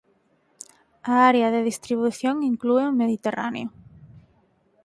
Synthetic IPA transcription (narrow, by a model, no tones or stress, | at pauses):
aaɾeɐðeðist̪ɾiβuθjoŋiŋklueʊmeðit̪era̰nḛʊ